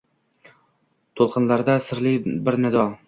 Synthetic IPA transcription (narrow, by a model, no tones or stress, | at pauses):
t̪ʰolˠqʰɨnlaɾd̪asɪɾlɪbɪɾnɪd̪ɒ